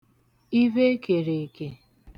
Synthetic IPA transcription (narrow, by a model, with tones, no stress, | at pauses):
i˦ve˦ke˨ɾe˨ke˨